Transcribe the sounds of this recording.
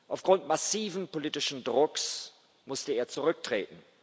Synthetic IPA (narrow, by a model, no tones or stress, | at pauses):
ʔaʊfɡ̥ʁʊntmasiːvn̩poliːtɪʃn̩dʁʊks | mʊstəeːɐt͡suʁʏk̚tʁ̥ḛːtn̩